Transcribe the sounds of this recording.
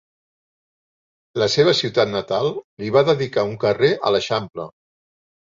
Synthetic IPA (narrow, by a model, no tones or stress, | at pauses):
ləseβ̞əsiwt̪at̪nət̪alˠliβaðəðikauŋkəreʔə̰ləʃamplə̰